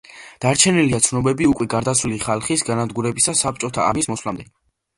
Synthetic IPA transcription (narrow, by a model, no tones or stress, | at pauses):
d̪̥aɾt͡ʃʰɛniliat̪sʰnɔbɛbiukʼwɛɡaɾd̪atsʰviliχalˠχisɡanad̪ɡuɾɛbisasap̚t͡ʃʼɔt̪ʰa̰ːmismɔslamd̪ɛ